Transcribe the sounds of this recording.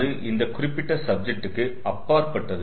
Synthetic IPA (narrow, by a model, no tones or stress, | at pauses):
ɾɯʔɪnd̪ɐkʊrɪpːɪʈːɐsɐb̚d͡ʒɛk̚ʈɯkːɯ | ɐpːaːɾpɐʈːɐðɯ